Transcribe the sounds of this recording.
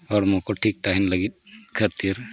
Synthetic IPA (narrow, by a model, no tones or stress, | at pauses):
ɔːɾmũkoʈʰiːk̚t̪aːɦinlɐɡit̪kʰəɾt̪iɾ